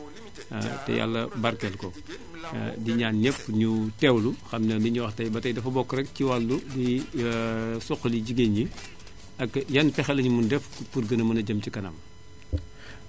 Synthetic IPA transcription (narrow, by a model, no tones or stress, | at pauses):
tɛ̰ja̰lːɐbɐɾkɛlkɔ̰ | diɲaːnnɛpːɲutɛwluxɐmnɐbiɲɔxtɐjbɐtɐjdɐfɐbɔkːɾɛk̚ciwalːudi | sɔxɐliɟiɡeɲi | ɐkjɐnpɛxɛlɐɲumundɛfpurɡɐnɐmɐnɐɟɐmcikɐnɐ̰m